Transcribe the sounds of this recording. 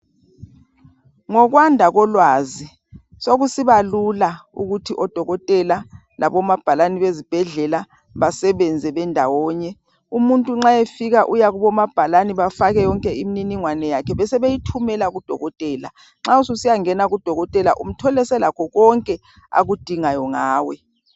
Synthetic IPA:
ŋɔk̬wandʱaɣ̬ɔlwaːzi | soɣ̬usiβalulauɣutʰiʔɔd̥ʱɔɣɔtʼɛla | lʔaβɔmab̥ʱalaniβezib̥ʱɛɮɛla | βasɛβɛnd͡zʱɛɓɛndʱawɔːɲɛ | umuntʼuŋ͡ǁaefiɣaʔujaɣuβɔmab̥ʱalaniβafaɣɛjɔŋkʼɛimininiŋwanɛjakʰɛβɛsɛβejitʰumɛlaɣud̥ʱɔ̰ɣɔtʼɛːla | ŋ͡ǁaususijaŋɛnaɣud̥ʱɔɣɔtʼɛlaʔum̩tʰɔlɛsɛlakʰɔɣɔŋkʼɛ | a̰ɣud̥ʱiŋajɔŋaːwɛ

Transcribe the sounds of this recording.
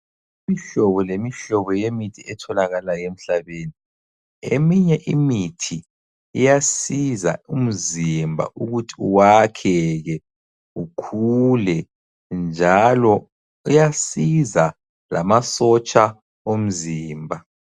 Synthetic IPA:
imiɬɔβɔlemiɬɔβɔjemitʰiɛtʰɔlaɣalajem̩ɬaβeːni | ḛmiɲɛʔimitʰi | ijasiza̰um̩zimbʱa̰ʔuɣutʰiuwakʰɛɣɛ | ukʰulɛ | nd͡ʒʱalɔ | ijasiza | lamasɔt͡ʃʼa | om̩ziːmbʱa

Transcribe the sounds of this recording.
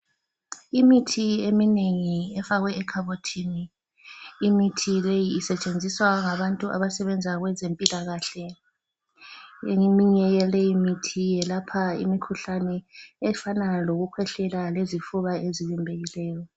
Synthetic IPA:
imitʰiemineŋiɛfaɣwɛːkʰaβotʰiniː | mitʰilejiːsɛt͡ʃʼend͡zʱiswaŋaβantʼuʔa̰βasɛβɛnd͡zʱaɣwɛzempʼilaɣaɬɛ | imiɲɛjɛlɛjimitʰijɛlapʰaḭmikʰuɬanɛɛfanaloɣukʰwɛɬɛlalezifuβaeziβimbʱeɣilɛːjɔ

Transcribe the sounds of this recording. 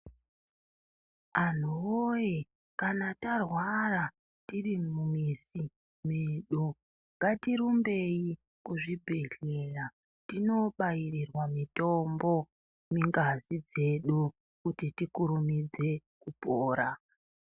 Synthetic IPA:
an̤uwoje | kanatarwara | tirimumisi | meɗu | ŋɡatiɾumbeji | kuʐibʱe̞ɮela | tino̞ɓajirirwamitombo̞ | miŋɡazid͡ze̞ɗu | kutitikuɾumid͡ze̞ | kupoːɾa

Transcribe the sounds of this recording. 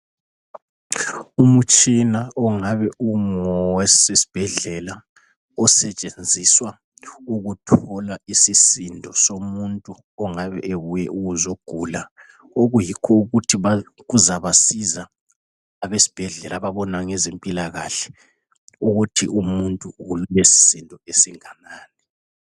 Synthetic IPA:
umut͡ʃʼinaɔŋaβɛuŋɔwɛsesi̥b̥ʱɛɮɛla | ɔsɛt͡ʃʼend͡zʱiswa | uɣutʰɔlaisisindʱɔsomuntʼu | ɔŋaβɛ̰ʔeβujɛʔuɣuzoɡ̥ʱuːla | oɣujikʰɔuɣutʰiβaɣuzaβasizaː | βesi̥b̥ʱɛɮɛlʔaβaβɔnaŋezempʼilaɣa̰ɬɛ̥ | uɣutʰḭʔumuntʼuɣululesi̥sindʱɔesiŋanaːnɛ

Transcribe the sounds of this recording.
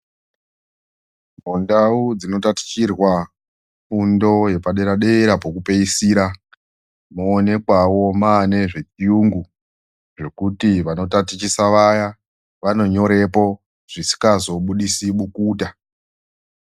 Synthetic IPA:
mondaud͡zino̞tati̥t͡ʃirwa | fundo̞je̞paɗeɾaɗe̞ɾapokupe̞isiɾa | muːne̞kwawo̞mane̞ʐe̞t͡ʃijuŋɡu | ʐe̞kutiʋano̞tatit͡ʃisaʋaja | ʋano̞ɲo̞ɾe̞po̞ | ʐ̥isi̥kazo̞ɓuɗisiɓukuːta

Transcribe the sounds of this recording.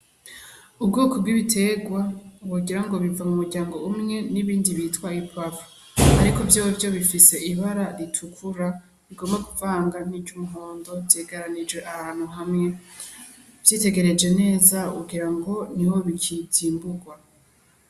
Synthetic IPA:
ub̚ɡoːkobɡiβitʰe̞ɡwawoɡiɾaŋɡo̞βivamumuɾɟaːŋɡo̞umŋe̞niβiːndiβitkwaipʰavu̥ | aɾiko̞vjaːwovjo̞βifise̞ʔiβaɾaɾitʰukʰuɾa | βiɡo̞mbaɡuvaːŋɡaniɟumuɦo̞ːndo̞vjeːɡaɾanid͡ʒwe̞ʔahaːn̥huɦamŋe̞ | vjiːte̞ɡe̞ɾe̞d͡ʒe̞ne̞ːzakuɡiɾaŋɡo̞niwo̞βikʰiziːmbuɡwa

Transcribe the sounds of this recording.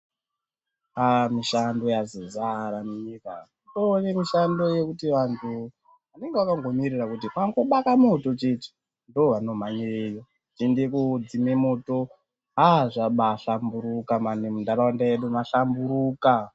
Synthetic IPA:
amiʃando̞jazizaɾamuɲika | done̞miʃando̞je̞kutiʋantʰu | ʋane̞ŋɡewakaŋɡo̞mirirakutikaŋɡo̞ɓakamoto̞t͡ʃet͡ʃi̥ | ndoʋano̞maɲeejo̞ | t͡ʃindekud͡zimemoto̞ | ɦaʐaɓaɬambuɾukamanemundaɾaandajeɗumaɬambuɾuːka

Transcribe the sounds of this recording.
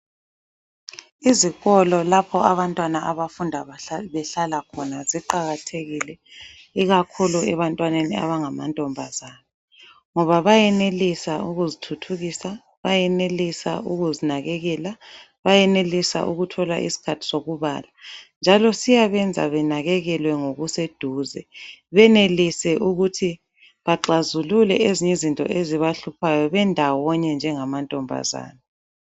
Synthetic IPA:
iziɣɔlɔlapʰɔaβantʼwanaʔaβafundʱaβɛɬalakʰɔnaziǃaɣatʰeɣilɛ | iɣakʰuluɛβantʼwanenia̰βaŋamantʼɔmbʱazaːβɔ | ŋɔβaβajɛnelisauɣuzitʰutʰuɣisa | βajɛnelisa̰uɣuzinaɣɛɣɛla | βajɛnelisa̰ʔuɣutʰɔla̰ʔḭsi̥kʰatʰi̥soɣuβa̰ːland͡ʒʱalɔsijaβɛnd͡zʱa̰βɛnaɣɛɣɛlwɛŋoɣused̥ʱuːzɛ̰βɛnelisɛʔuɣutʰi | βaǁazululɛeziɲizintʼɔ̰ʔeziβaɬupʰajɔβɛndʱawɔɲɛnd͡ʒʱɛŋamantʼɔmbʱa̰za̰ːna

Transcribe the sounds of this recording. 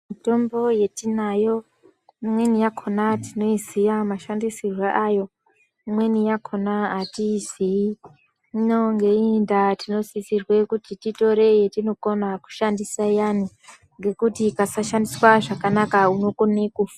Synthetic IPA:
mito̞mbo̞je̞tinajo̞ | imwe̞nijakʰonatino̞izijamaʃandisirweʔajo̞ | imwe̞nijakʰo̞naːtisi | ino̞ŋɡe̞indatino̞sisirwe̞kutitito̞ɾe̞jetino̞ko̞naku̥ʃandisajani | ŋɡe̞kutikasaʃandiswaʐakanakauno̞konekufa

